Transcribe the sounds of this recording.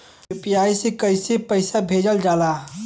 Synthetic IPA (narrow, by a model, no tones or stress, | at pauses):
pjaːisekəɪsepəɪsabʱeːd͡ʒəld͡ʒaːlaː